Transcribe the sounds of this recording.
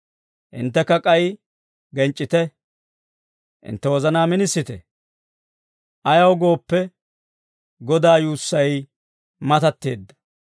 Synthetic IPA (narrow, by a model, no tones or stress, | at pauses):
ʔɪ̰nt̪ːɛkːɐkʼɐj | ɡɛnt͡ʃʼːɪt̪ɛ | ʔɪ̰nt̪ːɛwɔzɐnaːmɪnɪsːɪt̪ɛ̰ | ʔɐjɐwɡo̞ːpːɛ | ɡɔd̪aːjuːsːɐj | mɐt̪ɐt̪ːḛːd̪ːɐ̥